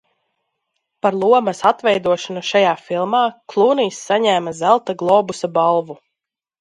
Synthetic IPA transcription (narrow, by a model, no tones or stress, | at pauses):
paɾlˠuɔmɐsat̪vɛjd̪uɔʃanuʃajaːfilˠmaːklˠuːniːsːaɲæːmazælˠt̪aɡlˠɔːbusabalˠvu